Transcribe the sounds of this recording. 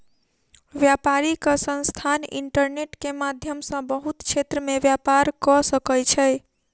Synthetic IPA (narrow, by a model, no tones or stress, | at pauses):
ʋjapaɾikəsə̃nst̪ʰanḭɳʈəɾneʈkemad̪ʱjəmsə̃bəɦut̪t͡ʃʰet̪ɾəmebjapaɾkɔsəkəjt͡ʃʰəj